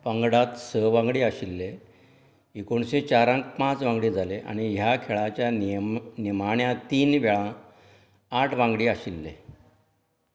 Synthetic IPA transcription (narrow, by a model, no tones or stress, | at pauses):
paŋɡɽat̪səʋãŋɡɽiːəɕilːe | ikoɳɕẽt͡ɕaɾãŋk̚pãt͡sʋãŋɡɽiːd͡zʱaleʔa̰ɽ̃iɦjakʰeɭat͡ɕjanimaɳjãt̪iːnʋɛɭã | aʈʰʋãŋɡɽiːaɕilːḛ